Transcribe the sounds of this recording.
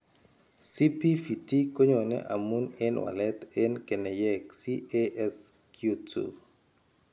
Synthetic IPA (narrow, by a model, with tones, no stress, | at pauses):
si˦pi˦fi˨ti˦ko˦ɲo˨nɛ̰˦ʔa˨mu˦nɛ˦nwa̰˨lɛ˦t̪ɛ˦nke˨nɛ˨jɛ˦ksi˦eʔɛ˦s | kʰju˦tʰṵ˨